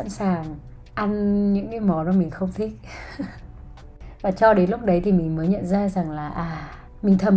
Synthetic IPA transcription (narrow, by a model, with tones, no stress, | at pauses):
a̰˧˥nsaː˨˩ŋ | ʔa˧nɲɨ̰˧˥ŋki˧˨˧jmɔ˨˦zmɔ˧˩mï˨˩ŋ̟xə˧wŋ͡mt̪ʰi˦˥k̚ | vaː˨˩t͡ɕɔ˧ɗe˨˦nlʊ˦˥k͡p̚ɗə˨˦jt̪ʰi˨˩mï˨˩ŋməː˨˦jɲə̰˧˨nzaː˧za˨˩ŋlaː˨˩ʔaː˨˩ | mï˨˩ŋ̟t̪ʰə˨˩m